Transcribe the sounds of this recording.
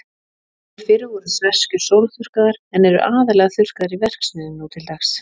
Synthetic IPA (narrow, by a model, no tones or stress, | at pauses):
ɾ̥fɪɾɪɔɾʏsvɛr̥scʏɾ̥sowlθʏr̥kaðaɾɛnɛɾʏ̰ʔaːðalɛɣaθʏr̥kaðaɾivɛr̥ksɪðɪnuːt̪ʰɪlt̪axs